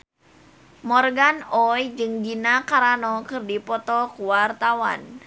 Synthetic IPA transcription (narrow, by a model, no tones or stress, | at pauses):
mɔrɡanɔjd͡ʒɨŋd͡ʒinakaɾanɔkɨrdipɔt̪ɔkuwart̪awa̰n